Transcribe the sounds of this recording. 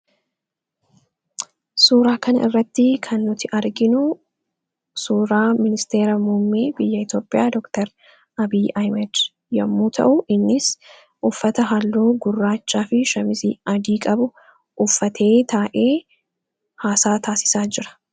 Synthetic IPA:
suːɾaːkɐnɐʔɪrːɐt̪ːɪkʰɐnːʊt̪ɪʔɐɾɡɪnʊ | suːɾaːmɪnɪst̪e̞ːɾɐmumːiːbɪjːɐɪt̪joːpʼːɪjaːd̪ɔkt̪ɛɾ | ɐbiːɐjmɛd̪ | jɐmːuːt̪ʰɐ̰ʔʊʔɪnːɪs | ʔʊfːɐt̪ɐɦɐlːuːɡʊrːaːt͡ʃːaːfɪʃɐmɪsiːɐd̪iːkʼɐbʊ | ʔʊfːɐt̪ʰe̞ːt̪ʰaːʔeː | haːsaːt̪ʰaːsɪ̥saːd͡ʒɪɾɐ̥

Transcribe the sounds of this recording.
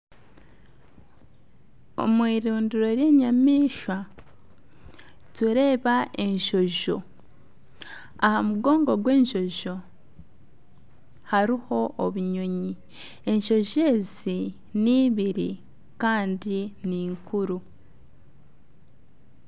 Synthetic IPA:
o̞̰mwiːɾuːndiɾo̞ɾje̞ːɲamiːʃwa | tuɾe̞ːβaʔe̞ɲʃo̞ʒo̞̰ | ahamuɡo̞ːŋɡo̞ɡwe̞ːɲʃo̞ʒo̞ | haɾiho̞ʔːβuɲo̞ɲi | e̞ɲʃo̞ʒe̞ːz | i | niːβiɾḭ | kaːndiniːŋkuɾu

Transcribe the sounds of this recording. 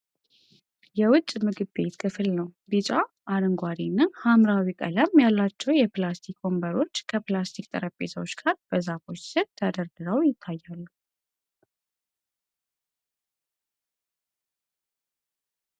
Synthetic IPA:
jɛwʊt͡ʃʼmɨɡɨbbe̞t̪kʰɨfɨlnəwbɨt͡ʃʼa | ʔaɾɨŋɡʷaɾinːahamɾawikʼələmjalːat͡ʃːɛwjɛplast̪ʰikʰo̞mbaɾo̞t͡ʃːkʰəplast̪ʰikʼt̪ʼə̰ɾəpʼːesʰəwot͡ʃːɡ̥aɾb̥əzafo̞t͡ʃsət̪ʰad̪əɾd̪ɨɾawjɪt̪ʰːajːalːu

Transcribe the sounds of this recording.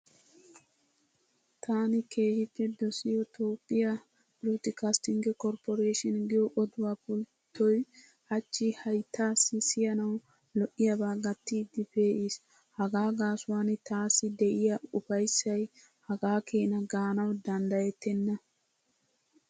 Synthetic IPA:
t̪ʰaːnɪke̞ːhɪpːɛd̪ɔsɪjɔt̪oːpʼːɪjɐ | ɾuːt̪ɪkast̪ɪŋɡɛkɔɾpɔɾeːʃɪnɡɪjɔʔɔd̪ʊwapʊlt̪ːɔj | ʔɐt͡ʃːɪhɐjt̪ːaːsːɪsɪjɐnɐw | lɔʔːɪjɐbaːɡɐt̪ːiːd̪ɪpe̞ːʔis | hɐɡaːɡaːsʊwaːnɪt̪aːsːɪd̪ɛʔɪjɐʊfɐjsːɐj | hɐɡaːkʰeːnɐɡaːnɐwd̪ɐnd̪ɐjɛt̪ːɛnːɐ

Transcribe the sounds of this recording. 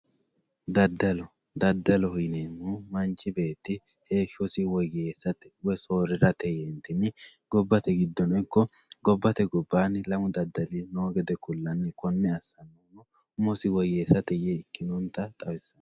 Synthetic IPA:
d̪ɐd̪ːɐlɔ | d̪ɐd̪ːɐlɔhʊjneːmumɐnt͡ʃʼːɪbe̞ːt̪ːɪ | heːʃɔsɪwɔjːeːsːɐt̪ɛ̥wɔsoːɾɪɾɐt̪ɛjeːnt̪ɪnɪɡ̥ɔbːɐt̪ɛɡɪd̪ːɔnɔkːɔ | ɡɔbːɐt̪ɛɡɔbːaːnlɐmʊd̪ɐd̪ːɐlinoːɡɛd̪ɛkʊlːɐnːɪkɔnːɛɐsːɐnːonɔ | ʊmɔsɪwɔjːeːsːɐt̪ɛjeɪkːɪnɔnt̪ːɐt̪ʼɐwɛsːɐn

